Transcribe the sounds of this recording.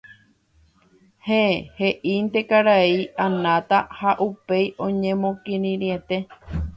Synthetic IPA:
heehe̞ʔint̪e̞kaɾaiʔanãt̪ahaʔupe̞jʔõ̞ɲẽmõkĩɾĩɾie̞t̪e̞

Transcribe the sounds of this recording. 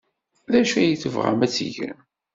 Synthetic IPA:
ðæʃæjəθəvʁa̰mæt͡sːḭʝæ̰n

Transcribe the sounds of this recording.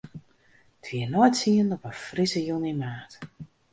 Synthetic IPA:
tʰʋiənɔjtsiəndɔpəfrisəjunimaːt

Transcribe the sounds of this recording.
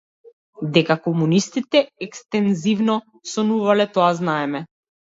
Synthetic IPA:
d̪ɛkakɔmunist̪it̪ɛɛkst̪ɛnzivnɔ | sɔnuvalɛt̪ɔaznaɛmɛ

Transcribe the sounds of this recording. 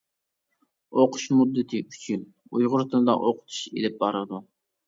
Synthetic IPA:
oqʰʊ̥ʃmud̪ːɨt̪ʰɨyt͡ʃʰyn | ujʁʊɾt̪ʰɨnɨd̪ɑ̰ʔoqʰʊ̥t̪ʰu̥ʃḛlɪp̚bɑɾɨd̪u

